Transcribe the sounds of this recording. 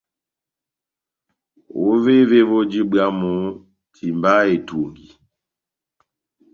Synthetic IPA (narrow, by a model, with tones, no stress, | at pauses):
o˦ve˦ve˦βo˦d͡ʒi˦bɰa˦mu˨˦ | tʰi˨mba˦e˨two˨ŋɡi˨